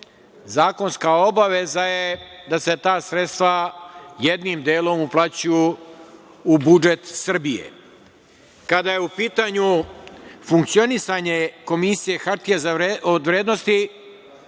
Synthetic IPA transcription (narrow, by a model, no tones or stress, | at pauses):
zaːko̞nskao̞baʋe̞zajed̪ase̞t̪aːsɾet̪st̪ʋajed̪nimd̪eːlˠo̞muplˠat͡ɕujuː | bud͡ʒe̞t̪sr̩bijḛ | kad̪ajeupiːt̪aɲu | fuŋkt̪sio̞nisaɲe̞ko̞misije̞xaɾt̪ijezaeod̪ʋɾeːd̪nost̪i